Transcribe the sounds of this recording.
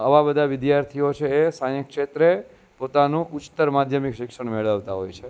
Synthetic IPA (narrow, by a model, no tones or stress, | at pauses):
əʋabəd̪ʱaʋɪd̪jaɾt̪ʰiot͡ʃʰeːsãjəkʃet̪ɾe | pot̪anũʔʊt͡ʃt̪əɾmad̪ʱjəmikʃɪkʂəɳmeɭəʋt̪aɦojt͡ʃʰe